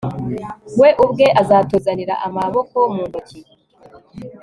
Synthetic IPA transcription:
we̞ʔubɡe̞ʔazaːtozaniɾa̰ʔamaβo̞ko̞muːndoci

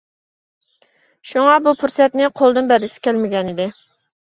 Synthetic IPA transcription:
ʃuŋɑbupʰuɾsɛt̪nɪqʰolˠd̪ɨnbɛɾd̪ɪsɪ̥kʲʰɛlmɪɡʲɛnɪd̪ɪ

